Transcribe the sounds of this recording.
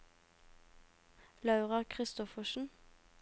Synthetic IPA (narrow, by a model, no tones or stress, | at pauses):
lɑʉʁɑkʰʁɪst̪ɔfəʃn̩